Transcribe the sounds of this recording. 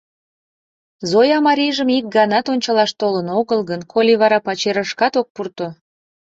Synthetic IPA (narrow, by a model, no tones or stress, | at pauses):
zojɑmɑɾʲiʒəmik̚ɡɑnɑt̪onʲt͡ɕɑlɑʃt̪olənoɣəlɣənkʰolʲiβɑɾɑpɑt͡ɕeɾəʃkɑt̪ok̚purt̪o